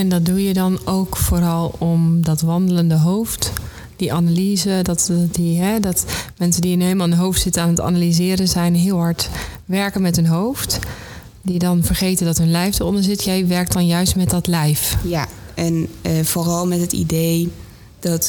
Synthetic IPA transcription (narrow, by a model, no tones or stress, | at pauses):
ɛndɔt̚dujədɔnowkfoːɾɑlˠɔmdɔtʋɑndələndəɦowft | d̥iʔanaliːzədɔtdiɦɛdɔtmɛnsəndiənɦelˠmalˠəɦowftsɪtənaːnəta̰nalizɪːɾəzɛjnɦɪəlˠɦɑɹtʋɛɹkənmɛtɦənɦowft | didɔnvərχejtəndɔtɦønlɛjfdərɔndəɹzɪtjɛjʋɛɹk̚t̚dɔnjœɥstmɛt̚dɔtlɛjfjaʔɛnfoːrɔlˠmɛtɦətḭdej | d̥ɔt